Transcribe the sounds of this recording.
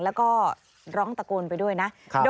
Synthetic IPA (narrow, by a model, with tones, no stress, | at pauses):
lɛː˦˥wkɔː˥˩ | ɾɔː˦˥ŋt̪a˧kuː˧npa˧jdu˥˩əjna˦˥ʔkʰdo